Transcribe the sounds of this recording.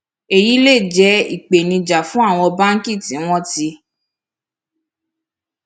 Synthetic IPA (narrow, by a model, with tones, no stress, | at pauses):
e˨ji˨˦le˦˨d͡ʒɛ˧˦ḭ˨k͡pe˨nĩ˧d͡ʒa˨fũ˦a˦˨w̃ɔ̃˧ba˦ŋ̩˦ki˦˨tĩ˨˦w̃ɔ̃˦ti˧